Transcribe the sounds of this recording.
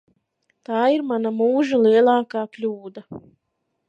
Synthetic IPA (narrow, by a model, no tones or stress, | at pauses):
t̪aːiɾmanamuːʒalˠiɛlˠɑːkaːklʲuːd̪a